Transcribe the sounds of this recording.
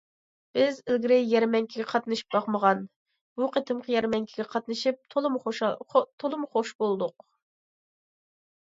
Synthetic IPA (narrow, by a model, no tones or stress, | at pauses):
b̥ɪzɪlɡʲɾɪjjɛɾmɛŋkʲʰiɡʲɛqʰɑt̪nɨʃi̥p̚b̥ɑqməʁɑn | b̥uqʰet̪ʰɨmqʰəjɛɾmɛŋkʲʰiɡʲɛqʰɑt̪nɨʃip̚t̪ʰolˠɨm | t̪ʰolˠɨmχoʃbolˠd̪ʊq